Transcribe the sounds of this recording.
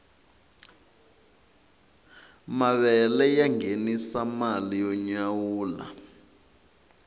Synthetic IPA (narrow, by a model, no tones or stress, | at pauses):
maβɛlɛjaŋenisamalijɔɲawuːla̰